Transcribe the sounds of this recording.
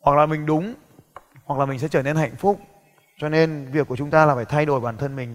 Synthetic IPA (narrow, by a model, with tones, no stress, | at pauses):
hwa˨˩k̚laː˨˩mï˨˩ŋ̟ɗʊ˨˦ŋ͡m | wa˨˩k̚laː˨˩mï̟˨˩sɛ̰˧˥t͡ɕəː˧˩ne˧nha̰˧˨jŋ̟fʊ˦˥k͡p̚ | t͡ɕɔ˧ne˧nvi˨˩əkːu˧˩ət͡ɕʊ˨˦ŋ͡mt̪aː˧laː˨˩faː˧˩jt̪ʰa˧jɗo˧˩jɓaː˨˩nt̪ʰə˧nmï˨˩ŋ̟